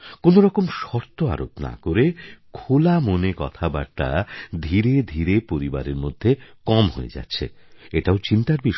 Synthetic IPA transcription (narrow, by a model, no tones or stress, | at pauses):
konoɾɔkomʃɔɾt̪oa̰ɾo̰pna̰koɾekʰolamonekɔ̰t̪ʰaba̰ɾt̪a̰d̪ʱiɾed̪ʱiɾepoɾiba̰ɾeɾmod̪ʱːekɔmɦoḛd͡ʑa̰tːɕʰḛ | eʈaot͡ɕint̪aɾbiʃ